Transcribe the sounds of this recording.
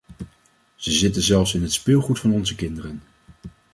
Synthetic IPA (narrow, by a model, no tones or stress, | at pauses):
z̥əzɪtənzɛlˠfsɪnɦətspɪlˠχutfɑnɔnzəkɪndərən